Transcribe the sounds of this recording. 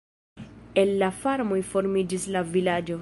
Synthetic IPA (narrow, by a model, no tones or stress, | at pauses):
elːafaɾmojfo̞ɾmid͡ʒislavilad͡ʒo